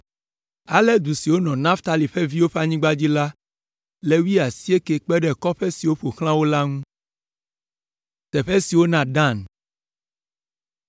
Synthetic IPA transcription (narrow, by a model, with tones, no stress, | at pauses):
a˨lɛ˦d̪u˨si˨wo˦nɔ̃˨nã˦ft̪a˨li˨ɸɛ˦vi˦wo˦ɸa˦ɲĩ˦ɡ͡ba˦d͡ʑi˦la˦ | le˦wi˦a˨si˦e˦ke˨k͡pɛ˦ɖɛ˨kɔ˦ɸɛ˦si˨wo˦ɸo˨xl̃ã˦wo˦la˦ŋũ˦ | t̪ɛ˨ɸɛ˦si˨wo˦nã˨ɖã˦˨n